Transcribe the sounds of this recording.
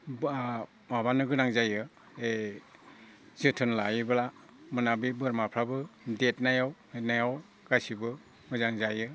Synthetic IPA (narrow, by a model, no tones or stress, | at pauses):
b | mabanɯɡɯnaŋzajɯ | e | zɯtʰɯnlajbɯla | mɯnabibɯɾmapʰɾabɯdet̚najaw | enajaw | ɡasibɯ | mɯzaŋzajɯ